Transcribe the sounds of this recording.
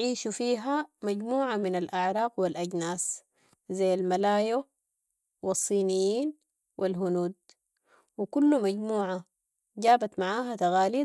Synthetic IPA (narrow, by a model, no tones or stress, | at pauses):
ʕiːʃufiːɦamaɟmuːʕamɪnalʔaʕɾˤɑːqwilʔaɟnaːs | zajːalmalaːjo | wɪsˤːiːnijiːn | wʔilɦʊnuːd̪̚ | wikulːumaɟmuːʕa | ɟaːbat̪maʕaːɦat̪aɣaːli